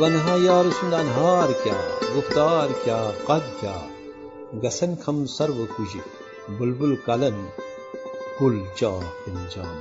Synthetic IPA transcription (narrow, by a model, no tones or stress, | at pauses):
ʋɐnɦãːjaːɾusund̪aːnɦaːɾkʲa̰ːɡuft̪aːɾkʲaːqɐd̪̚kʲa̰ː | ɡɐsɐnkʰɐmsɐɾʋɨkud͡ʒi | bulbulkɐlɐn | kult͡ʃaːkund͡ʒa̰ːn